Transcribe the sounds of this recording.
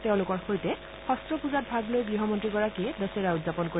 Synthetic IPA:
tɛʊ̃lʊkɔɹxojtɛ | xɔstɹɔpuzat̚bʱaɡlojɡɹiɦɔmɔntɹiɡɔɹakiɛdɔsɛɹautzapɔnko

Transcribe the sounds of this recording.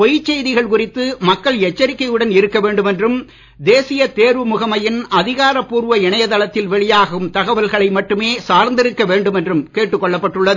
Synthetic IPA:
pɔjɪt͡ʃːɛjðɪɣɐɭkʊrɪt̪ːɯmɐkːɐɭɛt͡ʃːɐɾɪkːɐjɯɽɐnɪɾɯkːɐʋeːɳɖɯmɛndrɯm | d̪eːsɪjɐt̪eːɾʋɯmʊɣɐmɐjɪnɐðɪɣaːɾɐpːuːɾʋɐɪɳɐjɐt̪ɐlɐt̪ːɪlʋɛɭɪjaːɣɐɣɯmt̪ɐɣɐʋɐlɣɐɭɐɪmɐʈːɯmeːsaːɾnd̪ɪɾɯkːɐʋeːɳɖɯmɛndrɯmkeːʈːɯkːɔɭːɐpːɐʈːɯɭːɐðɯ

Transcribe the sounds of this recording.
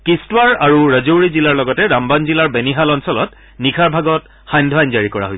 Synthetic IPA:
kistwaɹaɹuɹəzoɹizilaɹlɔɡɔtɛɹambanzilaɹbeniɦalɔnsɔlɔ̰t | nikʰaɹbʱaɡɔt | xajndʱwajnzaɹikɔɹa̰ɦojs

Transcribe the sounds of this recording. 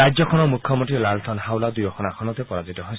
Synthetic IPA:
ajzɔkʰɔnɔmukʰːjɔmɔntilalt̪ʰɔnɦawlad̪ujɔkʰɔnakʰɔnɔt̪ɛpɔɹazitɔɦoj

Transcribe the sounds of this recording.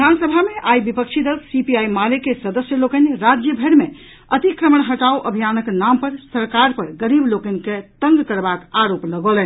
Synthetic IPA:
id̪ʱansəbʱameʔajbipəkt͡ʃʰid̪əlksipiajmalekesəd̪əsjəlokəniɾad͡ʒjəbʱəɾme | ət̪ikɾəməɳ̃ɦəʈauʔəbʱijanəknampəɾsəɾkaɾpəɾɡəɾiblokəniket̪əŋɡkəɾbakaɾopləɡolɛn

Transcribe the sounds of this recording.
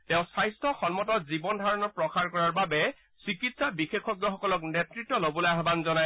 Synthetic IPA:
tɛ̃ʊ̃sajstʰɔxɔnmɔtɔzibɔndʱaɹɔnɔpɹɔxaɹkɔɹaɹbabɛ | sɹikitsabixekʰːɔɡjɔxɔkɔlɔknetɹitːɔlobɔlojaɦbanzɔnaj

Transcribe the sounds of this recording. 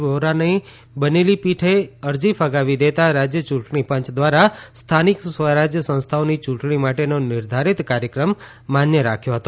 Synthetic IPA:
boɾanəi | bənelipiʈʰeəɾd͡ʒifʰəɡaʋid̪et̪aɾad͡ʒjət͡ʃũʈɳipə̃ɲt͡ʃd̪ʋaɾast̪ʰaniksʋəɾad͡ʒjəsə̃ñst̪ʰaonit͡ʃũʈɳimaʈenonɪɾd̪ʱaɾit̪kaɾjəkɾəmː | anjəɾakʰjoɦət̪o

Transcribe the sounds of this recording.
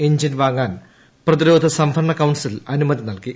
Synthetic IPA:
eɲd͡ʑinʋaːŋːaːn | prɐðiɾo̞ːd̪ʱɐsɐmpʰɐɐɳɐkɐwɳsilɐnumɐðinɐlki

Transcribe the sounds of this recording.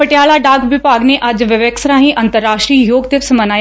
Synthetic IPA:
pəʈɪjaːlaːɖaːɡʋɪpaːɡneʔɐd͡ʒʋɪʋəksɾãːɦĩʔɐ̃nt̪əɾːaːʃʈɾiːjoːɡd̪ɪʋsmənaːj

